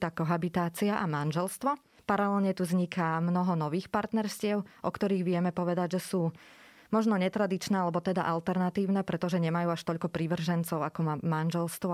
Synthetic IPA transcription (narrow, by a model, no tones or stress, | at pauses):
t̪aːkɔɦabit̪aːt͡siaʔamanʒɛlst̪ʋɔ | paɾalɛlɲɛt̪uzɲikamnɔɦɔnɔʋiːxpaɾt̪nɛɾscɪɛʊʔɔkt̪ɔɾiːɣʋɪɛmɛpɔʋɛd̪aɟʒɛsuː | mɔʒnɔɲɛt̪ɾad̪it͡ʃnɛːalɛbɔt̪ɛd̪a̰ʔalt̪ɛɾnat̪iːʊnɛːpɾɛt̪ɔʒɛɲɛmajuːaʃt̪ɔʎkɔpɾiʋr̩ʒɛnt͡sɔʊakɔmanʒɛlst̪ʋɔ